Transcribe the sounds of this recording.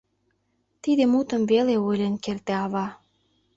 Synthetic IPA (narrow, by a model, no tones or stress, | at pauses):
t̪id̪emut̪ə̆mveleojlʲenkert̪eɑβɑ